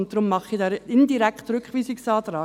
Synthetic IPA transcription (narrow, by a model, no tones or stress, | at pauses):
ntdɾʊmːɑχidɑːɪndiɾɛkχtɾʏkχʋiːsɪksɑːd̪ɾɑː